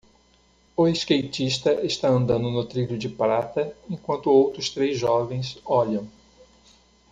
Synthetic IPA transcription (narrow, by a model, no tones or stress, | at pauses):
ʊeskejt͡ʃist̪ɐʔɪst̪aɐ̃nd̪ɐ̃nd̪ʊnʊt̪ɾiʎʊd͡ʒɪpɾat̪ɐẽŋkwɐ̃nt̪ʊowt̪ɾʊst̪ɾezʒɔvẽj̃sɔʎɐ̃w̃